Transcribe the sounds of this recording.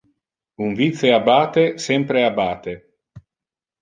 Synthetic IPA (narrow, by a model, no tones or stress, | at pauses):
uɱvit̪seabaːt̪esɛmpɾeabaːt̪e